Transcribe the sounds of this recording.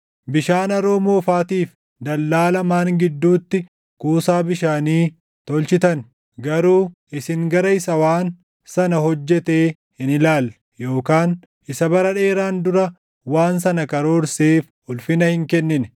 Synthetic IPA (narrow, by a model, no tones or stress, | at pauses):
bɪʃaːnɐɾoːmoːfaːt̪iːf | d̪ɐlːaːlɐmaːŋɡɪd̪ːuːt̪ːɪ | kuːsaːbɪʃaːniː | t̪ɔlt͡ʃɪt̪ɐn | ɡɐɾuː | ɪsɪŋɡɐɾɐɪsɐwaːn | sɐnɐɦɔd͡ʒːɛt̪eː | hɪnɪlaːl | jo̞ːkaːn | ʔɪsɐbɐɾɐᶑe̞ːɾaːnd̪ʊɾɐ | waːns̬ɐnɐkɐɾo̞ːɾseːf | ʊlfɪnɐhɪŋkɛnːɪn